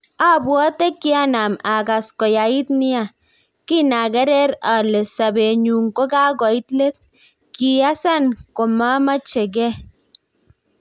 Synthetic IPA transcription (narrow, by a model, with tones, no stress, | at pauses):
a˦bwɔ˦te˦kːi˦a˦na˨ma˨ka˨skɔ˨ja˨i˦tnɪ˦a˨ | ki˦na˨ɡɛ˦ɾɛ˦ɾa˨le˨sa˨be˨ɲu˨ŋko˦ka˦ɡɔ˨i˦tle˦t̚ | ki˨a˦sa˦˨nko˨ma˦ma˦t͡ʃe˨ɡɛ˦